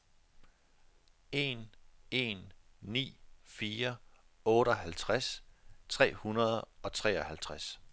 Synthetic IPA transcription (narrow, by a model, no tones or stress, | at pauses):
e̝ne̝̰nː | ḭːfiːɐ | ɔ̽ːɾəɒhælt͡sʰʁast͡sʰʁɛ̰ːhunɐð̞ˠɒ̽t͡sʰʁɛ̰ːɒ̽hælt͡sʰʁas